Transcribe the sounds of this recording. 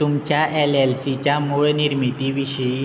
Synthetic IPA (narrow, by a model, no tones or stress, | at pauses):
t̪umt͡ɕjaʔelelsit͡ɕjamoɭniɾmit̪iʋiɕəi